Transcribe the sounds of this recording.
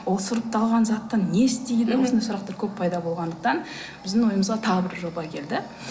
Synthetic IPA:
wolˠsʊɾəp̚t̪ʰɑlˠʁɑnzɑt̪ːɑnːe̞st̪ejd̪ɪwʊsnejsʊɾɑqt̪ɑɾkʲʰɵpʰːɑjd̪ɑbo̞lˠʁɑnd̪əq̚t̪ɑn | b̥ɪzd̪ɪŋwo̞jəməzʁɑt̪ʰɑʁəbɪɾʒo̞bɑkʲʰe̞ld̪ɪ

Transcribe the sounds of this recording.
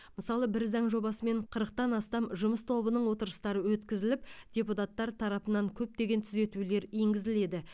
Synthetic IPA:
məsɑlˠəbɪɾzɑŋʒo̞bɑsəme̞ɴqʰəɾəq̚t̪ɑnɑst̪ɑmʒʊməst̪ʰo̞bənəɴwo̞t̪əɾəst̪ɑɾəwɵt̪kʲɪzɪlɪp̚d̪̥ʲe̞put̪ɑt̪ːɑɾt̪ʰɑɾɑpənɑŋkʲʰɵp̚t̪e̞ɡʲe̞nt̪ʰʏze̞t̪ule̞ɾje̞ŋɡʲɪzɪle̞d̪ɪ

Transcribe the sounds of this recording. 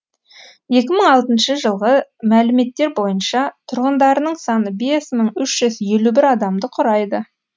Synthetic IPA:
je̞kʲɪməɴɑlˠt̪ənʃəʒəlˠʁəmælɪme̞t̪ːe̞ɾbo̞jənʃɑt̪ʰʊɾʁənd̪ɑɾənəɴsɑnəbe̞sməɴʏʃʒ̥ʏzje̞lubɪɾɑd̪ɑmd̪əqʰʊɾɑjd̪ə

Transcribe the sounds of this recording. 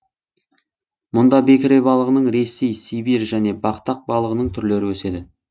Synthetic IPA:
mʊnd̪ɑbe̞kʲɪɾebɑlˠəʁənəɴɾe̞se̞jsibiɾʒæne̞bɑqt̪ɑq̚bɑlˠəʁənəɴt̪ʰʏɾle̞ɾɪwɵse̞d̪ɪ

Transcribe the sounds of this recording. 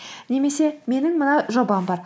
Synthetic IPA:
ne̞me̞se̞me̞nɪŋmənɑʒo̞bɑmbɑɾ

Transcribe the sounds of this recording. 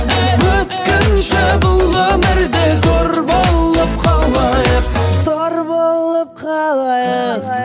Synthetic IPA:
wɵt̪kʲɪnʃɪbʊlˠwɵmɪɾd̪ezo̞ɾbo̞lˠəp̚qʰɑlˠmɑjəzoɾbolˠəp̚qʰɑlˠɑjə

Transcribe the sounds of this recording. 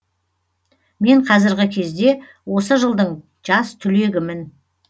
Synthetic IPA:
me̞ɴqʰɑzɪɾɡʲɪkʲʰe̞zd̪e̞ | wo̞səʒəlˠd̪əɴ | ʒɑst̪ʰʏle̞ɡʲɪmɪn

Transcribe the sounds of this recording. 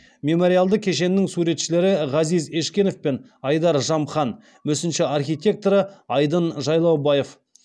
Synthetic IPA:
mʲe̞mo̞ɾijalˠd̪əkʲʰe̞ʃe̞nːɪŋsuɾe̞t̪ʃɪle̞ɾɪʁɑzize̞ʃkʲe̞nofpe̞n | ɑjd̪ɑɾʒɑmχɑn | mɵsɪnʃɪɑrχʲijt̪ʲe̞k̚t̪oɾəɑjd̪ənʒɑjlˠɑwbɑje̞f

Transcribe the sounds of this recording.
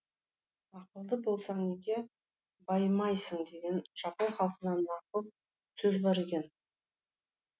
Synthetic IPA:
ɑqəlˠd̪əbo̞lˠsɑɴneɡʲe̞ | bɑjmɑjsəɴd̪e̞ɡʲe̞nʒ̥ɑponχɑlˠqənɑnmɑqəlˠ | sɵzbɑɾe̞kʲe̞n

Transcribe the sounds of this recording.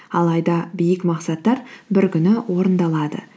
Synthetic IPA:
ɑlˠɑjd̪ɑbijɪkmɑqsɑt̪ːɑɾbɪɾkʲʏnɪwo̞ɾənd̪ɑlˠɑd̪ə̰

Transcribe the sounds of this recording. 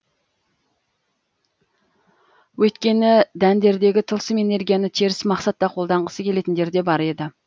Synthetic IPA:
wɵjt̪kʲe̞nɪd̪ænd̪e̞ɾd̪e̞ɡʲɪt̪ʰəlˠsəme̞ne̞ɾɡʲijɑnɪt̪ʰeɾɪsmɑqsɑt̪ːɑqʰo̞lˠd̪ɑɴʁəsəkʲʰe̞le̞t̪ɪnd̪e̞ɾd̪e̞bɑɾe̞d̪ɪ

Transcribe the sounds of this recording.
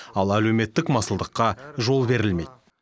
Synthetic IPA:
ɑlˠælewme̞t̪ːɪkmɑsəlˠd̪əqːɑʒo̞lˠbe̞ɾɪlme̞̰jt̪̚

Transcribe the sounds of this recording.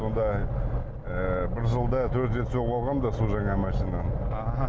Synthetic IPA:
o̞nd̪ɑ | əbɪɾʒəlˠd̪ɑt̪ʰɵɾt̪ʒe̞t̪solɑlˠʁɑmd̪ɑsolˠʒɑɴɑmæʃinɑ

